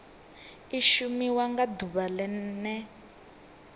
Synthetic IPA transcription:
iʃumiwaŋɡaduβalɛnɛ

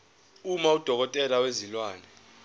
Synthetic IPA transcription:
umaud̥ʱɔk̬ɔtʼɛlawezilwaːnɛ

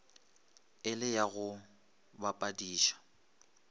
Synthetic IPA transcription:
ɪlɪjaɣʊ | bapʼadiːʃḁ

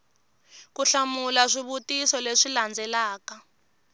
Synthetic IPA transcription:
kuɬamulaʂiβutisɔleʂiland͡zʱɛlaːka

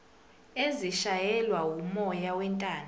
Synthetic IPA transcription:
eziʃajɛlwaumɔjawɛntʼaːn

